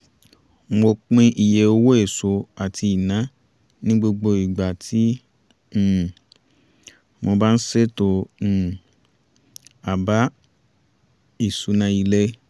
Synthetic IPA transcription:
mo˧k͡pĩ˧ʔi˨je˨˧o˧wo˦e˦˨so˧˦a˨ti˧i˨nã˨˦ | nĩ˦ɡ͡bo˧ɡ͡bo˧i˨ɡ͡ba˨tʰi˨˦˨ | mo˧ba˦n̩˦se˦tõ˧˨ | a˨ba˨˦ | i˨su˨˦nã˧˦i˧le˦

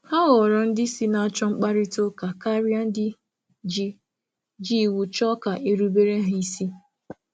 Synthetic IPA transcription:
ha˦ɣɔ˨ɾɔ˦n̩˦dɪ˦si˦na˦t͡ʃɔ˦ŋ͡m̩˦k͡pa˦ɾɪ˦to˦ka˨ka˦ɾja˦n̩˦dɪ˦ | d͡ʒi˦ | d͡ʒi˦˨wu˨t͡ʃɔ˦ka˨ʔe˦ɾu˦be˦ɾe˦ɦi˦si˦

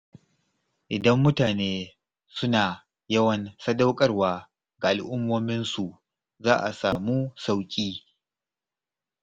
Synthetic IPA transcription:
ʔɪ˨dɐ˦mːʊ˦taː˨neː˦ | sʊ˦naː˨ | jɐ˦wɐ˨nsɐ˦da˦wkʼɐ˦rwaː˨ | ɡa˨ʔa˨lʔʊ˦mːoː˦mɪ˦nsu˨ʔ | zaː˦ʔa̰˨saː˨muː˦sa˦˨wkʲʼiː˦

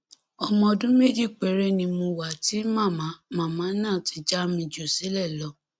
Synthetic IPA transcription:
ɔ˧mɔ̃˧ɔ˧dũ˦me˦d͡ʒi˦˨k͡pe˨ɾe˦nĩ˧mũ˧wa˨ti˨˦mã˦˨mã˨˦mã˦˨mã˨˦nãː˦˨ti˨˧˦d͡ʒa˦mĩ˧d͡ʒo˨si˨˦lɛ˦˨lɔ˧˦

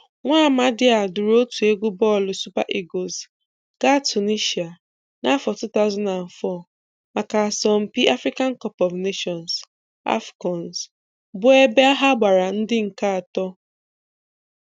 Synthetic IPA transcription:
ŋʷaː˦˨ma˦dɪ˦a˨dʊ˨ɾo˦tu˨e˦ɡʷu˦bɔ˦˨lʊ˨su˦pa̰˦ʔi˦ɡo˨s | ka˦˨tu˨ni˦ʃi˨a˨ | na˦fɔ˨tu˦ta˦ʊ˦za˦na˨n̩˨fɔ˦˨ | ma˨ka˨a˨sɔ˨m̩˨pi˦ʔa˦fɾi˦ka˦n˦kɔ˦pɔ˨vne˦ʃɔ˨ns | a̰˦fɡɔ˨ns | bʊ˦e˦be˦a˦ɦa˦ɡ͡ba˨ɾa˨n̩˦dɪ˦ŋ̩˨ka˦a˨tɔ˦

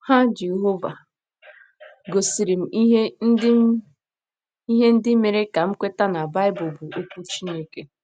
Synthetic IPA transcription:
ha˦d͡ʒe˨ɦo˦va˨ | ɡo˨si˨ɾi˨m̩˨˦ɦe˦n̩˦dɪ˦ | i˦ɦe˦n̩˦dɪ˦me˨ɾe˦ka˨m̩˦kʷe˦ta˦na˨ba˦ɪ˦bʊ˨bʊ˨ʔo˦kʷu˦t͡ʃi˦ne˦ke˦

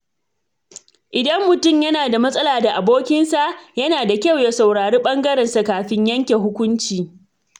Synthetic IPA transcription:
ʔɪ˨dɐ˦mːʊ˨tʊ˦˨mjɐ˦naː˨da˨mɐ˦sʼɐ˦laː˨da˨ʔa˨boː˦kʲɪ˦nsa˨ʔjɐ˦naː˨da˨kʲa˦wje˨sa˨wɽaː˨ɾeː˦ɓɐ˦ŋɡɐ˦ɾɛ˨nsa˨kaː˨ɸɪ˦ɲjɐ˦ŋkʲe˨ɦʊ˦kʷʊ˦nt͡ʃiː˨

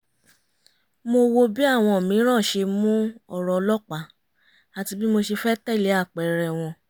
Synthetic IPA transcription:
mo˧wo˧bi˦a˦˨w̃ɔ̃˧˨mĩ˨˦ɾ̃ã˦˨ʃe˧mũ˦ɔ˦˨ɾɔ˨˧lɔ˦k͡pa˨˦ | a˨ti˧bi˦mo˧ʃi˧fɛ˦tɛ˦˨le˨˦a˦˨k͡pɛ˨ɾɛ˨w̃ɔ̃˧

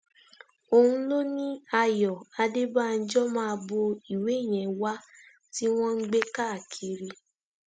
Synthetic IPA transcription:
o˧hũ˦lo˦nĩ˦a˧jɔ˨a˧de˦ba˦˨n̩˦d͡ʒɔ˦mãː˦˧bo˧i˨we˨˦˨j̃ɛ̃˨wa˦ | ti˦w̃ɔ̃˦ŋ̩˦ɡ͡be˦ka˦˨a˨kʰi˨ɾi˧˦

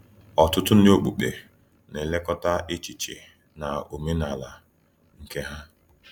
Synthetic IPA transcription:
ɔ˨tʊ˦tʊ˦n˦o˦k͡pu˨k͡pḛ˨ | ne˨le˦kɔ˦ta˦ʔe˦t͡ʃi˨t͡ʃḛ˨ | na˨o˨me˦na˨la˨ | ŋ̩˨ke˦ɦa˦

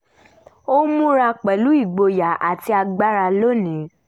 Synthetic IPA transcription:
o˦mũ˦ɾa˧k͡pɛ˨lu˨˦i˦˨ɡ͡bo˧ja˨a̰˨ti˧a˧ɡ͡ba˦ɾa˧lo˦nĩ˨˦

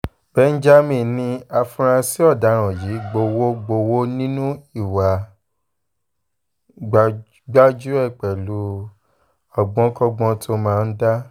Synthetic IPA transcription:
b̥ɛ˨˦n̩˦d͡ʒa˦mĩ˨nĩ˧a˧fũ˧ɾ̃ã˧si˦ɔ˦˨da˨˦ɾ̃ɔ̃˨ji˨˦ɡ͡bo˧wo˦ɡ͡bo˧wo˦nĩ˦nũ˦i˦˨wa˨˦ | ɡ͡ba˦d͡ʒu˦ɛ˦˨k͡pɛ˨lu˨˦ | ɔ˨ɡ͡bɔ̃˨˦kɔ˧ɡ͡bɔ̃˧tʰo˧mãː˦˧n̩˦da˦

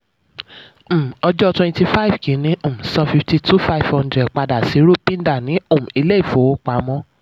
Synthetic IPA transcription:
ɔ˧d͡ʒɔ˦twɛ̃˧nti˧fa˦i˨vkĩ˨˦nĩ˨˦ʔo˦˨m̩̃˨sã˧fi˧fti˧tu˦fa˦i˨vhɔ̃˧ndɾɛ˨k͡pa˧da˨si˨˦ɾo˦pĩ˦n˦da˦˨nĩ˨˦o˦˨m̩̃˨i˧le˦i˦˨fo˨˦o˦k͡pa˨˦mɔ̃˧

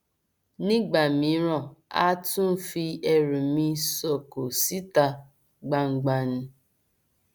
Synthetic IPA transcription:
ni˦ɡ͡ba˨mi˨˦ɾɔ˨a̰˦tʊ˦m̩˦fi˦e˦ɾu˨mi˦so˨ko˨si˦ta˨ | ɡ͡ba˨ŋ͡m̩˨ɡ͡ba˦n̩˦

